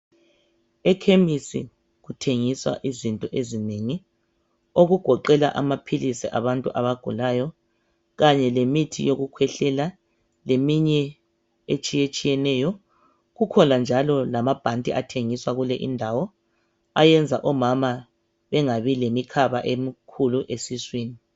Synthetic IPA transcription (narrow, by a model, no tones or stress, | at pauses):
ɛkʰemisḭ | ɣutʰeŋiswa̰ʔizintʼɔʔezineːŋi | oɣuɡ̥ʱɔǃɛla̰ʔamapʰilisiʔaβantʼuʔaβaɡ̥ʱulajɔ | ɣaɲɛlemitʰijoɣukʰwɛɬɛla | lemiɲɛ | et͡ʃʼijet͡ʃʼijɛnɛːjɔ | ɣukʰɔnand͡ʒʱalɔlamab̥ʱantʼiʔatʰeŋiswaɣulɛʔḭndʱawɔ | ajɛnd͡zʱaʔɔmama | βɛŋaβilemikʰaβaʔem̩kʰuluʔesiswiːni